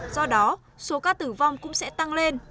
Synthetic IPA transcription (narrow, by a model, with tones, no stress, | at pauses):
z̥ɔ˧ɗɔ˨˦ | so˨˦kaː˧t̪ɨ˧˩va˧wŋ͡mkʊ̰˧˥ŋ͡msɛ̰˧˥t̪a˧ŋle˧n